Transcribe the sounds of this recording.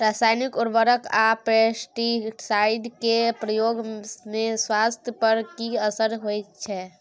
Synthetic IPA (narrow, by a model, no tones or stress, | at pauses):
ɾaːsaːjnikʊɾbəɾəkapesʈiʈsaːɪɖkepɾəjoːɡmẽswaːst̪ʰjəpəɾkiəsəɾɦojt͡ʃʰɛː